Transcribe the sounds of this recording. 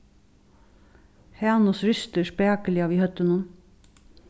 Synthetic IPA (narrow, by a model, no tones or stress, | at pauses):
hæːnʊsɾʏst̪əʃpæːkəlɪɑːʋiːhœt̪ənuːn